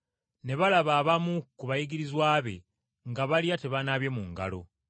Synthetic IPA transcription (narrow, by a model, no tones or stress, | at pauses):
ne̞βalaβaːβamukuβajiɡiɾizwaːβe̞̰ | ŋɡaβalijate̞βanaβjemuŋɡa̰lo̞̰